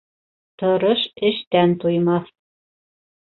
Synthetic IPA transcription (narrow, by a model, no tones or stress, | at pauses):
t̪ŏɾoʃɘ̆ʃt̪ænt̪ujmɑθ